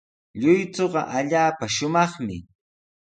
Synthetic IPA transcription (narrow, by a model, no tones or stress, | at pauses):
ʎʊjt͡soɢɑʔaʎaːpaʃʊmɑχmɪ̰